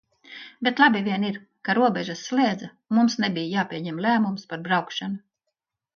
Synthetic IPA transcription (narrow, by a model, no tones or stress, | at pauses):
bet̪lˠabivʲiɛniɾ | kaɾuɔbʲɛʒasːlʲiɛd̪za | mumsnɛbʲijjaːpʲiɛɲɛmlʲæːmumspaɾbɾawkʃanu